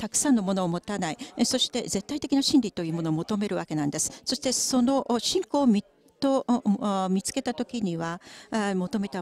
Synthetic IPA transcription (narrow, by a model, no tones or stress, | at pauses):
t̪akɯ̟̥sãnːo̞mo̞no̞ːmo̞t̪anaiso̞ɕi̥t̪e̞̰ze̞t̪ːait̪e̞kʲinaɕĩnʲɾʲit̪o̞jɯ̟ːmo̞no̞ːmo̞t̪o̞me̞ɾɯ̟βake̞nãnd̪e̞sɨ̥so̞ɕi̥t̪eso̞no̞ʔɕĩŋko̞ːmʲi | t̪o | mʲit͡sɨ̥ke̞t̪at̪o̞kʲiɲ̟iβamo̞t̪o̞me̞t̪a